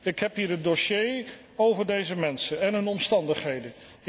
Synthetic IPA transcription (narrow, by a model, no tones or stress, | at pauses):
ɪkɦɛpɦiːɹədoʃej | owvəɹdejzəmɛnsənɛnɦɵnɔmstɑndəχɦejdə